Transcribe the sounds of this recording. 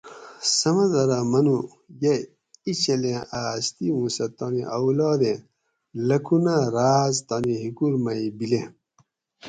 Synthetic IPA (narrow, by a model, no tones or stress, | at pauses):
sɐmɐd̪ɐɾamɐnu | jɐ | it͡ɕɐlẽast̪imũsɐt̪aniʔɐwlɑːd̪ẽ | lɐkʰunaɾaːzt̪ɐniɦikuɾmɐibilẽ